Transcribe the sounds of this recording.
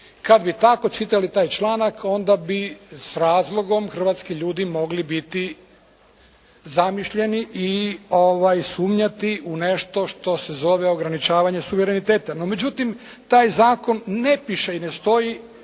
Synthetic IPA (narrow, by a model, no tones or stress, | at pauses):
kad̪bit̪ako̞t͡ʃit̪alit̪aːjt͡ʃlˠaːnakʰo̞nd̪abisɾaːzlˠoɡo̞mxr̩ʋat̪skiʎuːd̪imo̞ɡlibit̪i | zamiʃʎe̞niʔioʋajsuːmɲat̪iune̞ʃt̪o̞ʃt̪o̞se̞zo̞ʋeo̞ɡɾanit͡ʃaːʋaɲesuʋeɾenit̪e̞ːt̪anome̞d͡ʑut̪im | t̪aːjzaːko̞nːe̞piʃeinest̪o̞ji